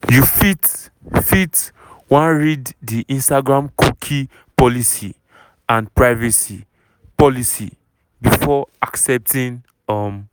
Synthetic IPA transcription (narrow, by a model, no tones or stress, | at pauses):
jufit | fit | wãɹidːiʔĩnstaɡɹãmkukʰi | pɔlisi | ãnpɹaɪvisi | pɔlisḭ | bifɔaksɛp̚tĩn | ɔm